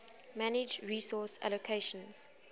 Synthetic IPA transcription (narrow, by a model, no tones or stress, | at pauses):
mænɪd͡ʒɹiːsɔsa̰lokʰeɪʃə̃nz̥